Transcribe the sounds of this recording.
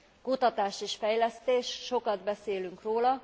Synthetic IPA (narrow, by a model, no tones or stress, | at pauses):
kut̪ɒt̪aːʃiʃfɛjlɛst̪eːʃʃo̞kɒd̪bɛseːlyŋkroːlɒ